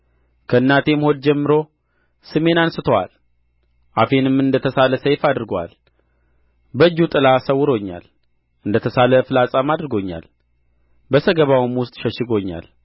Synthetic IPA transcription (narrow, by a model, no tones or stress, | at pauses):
kʰəɨnːat̪e̞mho̞d̪̚d͡ʒɛmːɨɾo̞ | sɨme̞nansɨt̪ʰəwa̰l | ʔafe̞nɨmɨnd̪ət̪ʰəsaləsəjfad̪ɨɾɡowa̰l | bəd͡ʒːut̪ʼɨlasəwʊɾo̞ɲːa̰l | ʔɨnd̪ət̪ʰəsaləfɨlasʼamad̪ɾɨɡo̞ɲːa̰l | bəsəɡəβawɪmwʊst̪ʼʃəʃɪɡo̞ɲːa̰l